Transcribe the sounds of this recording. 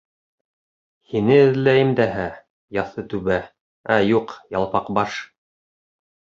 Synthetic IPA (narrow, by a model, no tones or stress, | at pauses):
hinɘɘ̆ðlæjɘmd̪æɦæ | jɑθɤt̪ʉβæ | æjuqjɑlˠpɑqbɑʃ